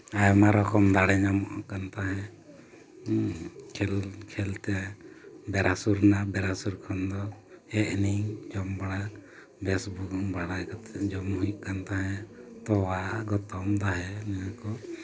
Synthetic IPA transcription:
ajɔmaɾɔkɔmd̪aɽɛɲamɔʔkant̪aɦɛ̃ | kʰɛlkʰɛlt̪ɛ | bɛɾasuɾnabɛɾasuɾkʰɔnd̪ɔ | ɛʔniŋd͡ʒɔmbaɽa | bɛsbuɡɔŋbaɽakat̪ɛd͡ʒɔmhujuʔkant̪aɦɛ̃t̪ɔwaʔɡɔt̪ɔmd̪aɦɛnɛwakɔ

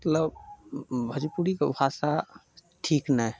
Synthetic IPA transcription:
mət̪ləb | bʱəd͡ʒipuɾika̰bʰasa | ʈʰiːknaɛ

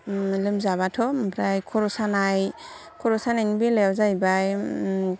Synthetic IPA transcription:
lɯmzaβatʰɔpʰɾajkʰɔɾɔsanaj | kʰɔɾɔsanajnbilewzajbaj

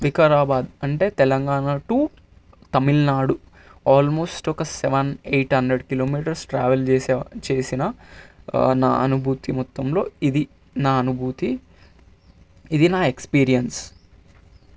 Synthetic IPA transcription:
ʋikɐɾaːbaːd̪ɐɳʈe̞ːt̪ɛlɐŋɡaːɳaʈuː | t̪ɐmilnaːɽu | aːlmo̞ːsʈɔkɐsɛʋɐnejʈhɐnd̪ɾeɖkilo̞ːmiːʈɐɾsʈɾaːʋɐlt͡ʃeːsɛːt͡ʃe̞ːsinɐ | na̰ːɐ̰nubʱuːt̪imɔt̪ːɐmlo̞ːid̪i | naːɐnubʱuːt̪i | id̪inaːekspiːɾijɐns

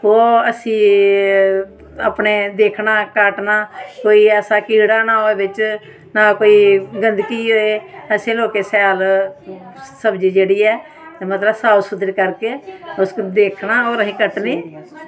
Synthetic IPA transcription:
oːəsĩː | a̰ːpneːd̪eːkʰnaːkaːʈnaːkoːiːɛːsaːkiːɽaːnaːɦoeːbɪt͡ʃ | naːkoːiːɡənd̪kiːɦoːeːəsẽːloːkeːsɛːl | səbd͡ʒiːd͡ʒeːɽiːɛː | mət̪ləbsaːwsʊt̪ɾiːkəɾkeːʊsd̪eːkʰnaːoːɾəsĩːkəʈniː

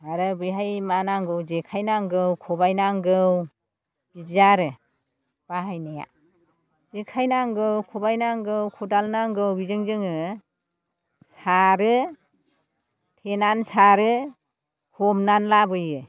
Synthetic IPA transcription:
aɾɯbɯjɦajmanaŋɡɯwd͡ʒekʰajnaŋɡɯwkʰɔbajnaŋɡɯw | b̥izaɾɯ | b̥aɦajnaja̰ | zekʰajnaŋɡɯwkʰɔbajnaŋɡɯwkʰɔdalnaŋɡɯwbizɯŋzɯŋɯ | saɾɯ | tʰenansaɾɯ | kʰɔmnanlabɯjɯ

